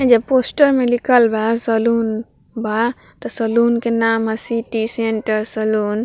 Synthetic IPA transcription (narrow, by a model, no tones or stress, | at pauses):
d͡ʒəbposʈəɾmelikʰəlbʱasəlun | bʱa | t̪ɔsəlunkenamɦəsiʈiseɳʈəɾsəlun